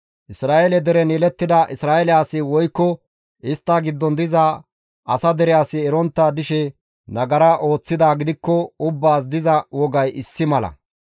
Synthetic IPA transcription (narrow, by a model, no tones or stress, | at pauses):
ʔɪsɾaːʔeɛlɛd̪ɛɾɛneːlɛt̪ːɪd̪ɐʔɪsɾaːʔɛlɪjaːsːɪwɔjkːɔ | ɪst̪ːɐɡɪd̪ːɔnd̪ɪza | ɐsɐd̪ɛɾɪjaːsɪːɾɔnt̪ːad̪ɪʃɛ | nɐɡɐɾaʔo̞ːt͡sːɪd̪aːɡɪd̪ɪkːɔʊbːaːs̬d̪ɪzɐwɔɡɐjɪsːɪmɐlɐ̰